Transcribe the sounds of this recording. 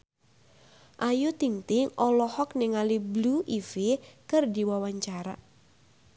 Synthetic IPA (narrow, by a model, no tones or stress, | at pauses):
ʔajut̪iŋt̪ɪŋɔlɔhɔkniŋalibluʔifikɨrdiwawaɲt͡ʃaɾa